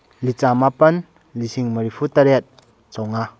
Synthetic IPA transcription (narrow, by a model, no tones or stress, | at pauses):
lit͡samapən | lisiŋməɾipʰut̪aɾɛt̪̚ | t͡sɔwŋa